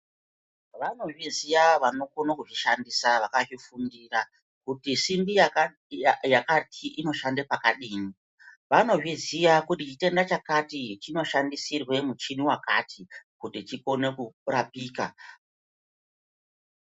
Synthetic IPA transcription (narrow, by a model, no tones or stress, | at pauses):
ʋano̞ʐizijaʋano̞konakuʐiʃandisaʋakaʐifundiːra | kutisimbija | jakatʰiʔino̞ʃandepakaɗiːni | ʋano̞ʐizijakutit͡ʃite̞ndat͡ʃakatit͡ʃino̞ʃandisirwe̞mut͡ʃiniwaka̰tʰikutit͡ʃiko̞ne̞kurapiːka̰